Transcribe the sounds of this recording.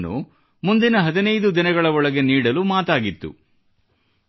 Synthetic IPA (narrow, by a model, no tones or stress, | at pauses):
nːṵ | mund̪inɐɦɐd̪inɐjd̪ud̪inɐɡɐɭɐɔɭɐɡe̞niːɽɐlumaːt̪aːɡit̪ːṵ